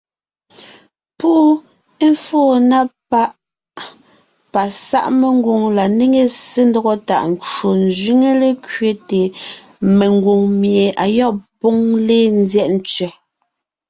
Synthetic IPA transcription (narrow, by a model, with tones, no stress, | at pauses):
pu˦ʔ | e˦ɱ˦foː˦˨na˦pa˦ʔ | pa˨sa̰˦˨ʔme˨ŋ˦ɡwo˨ŋla˨ne˦ŋe˨se˦ndɔ˦ɣɔ˦ta̰˨ʔn˨t͡ʃo˨n˨zɥi˦ŋe˦le˦kɥe˦te˨ | me˨ŋɡwo˨ŋmje˨a˨jɔ˦˨po˦ŋle˦n˦zjɛ˦ʔn̩˦t͡sɥɛ˨